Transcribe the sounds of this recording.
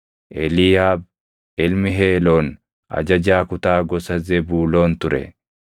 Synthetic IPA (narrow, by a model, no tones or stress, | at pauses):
ʔɛlɪjaːb̚ | ɪlmɪɦeːloːn | ʔɐ̰d͡ʒɐd͡ʒaːkʊt̪aːɡɔsɐzɛbuːlo̞ːnt̪ʊɾɛ̰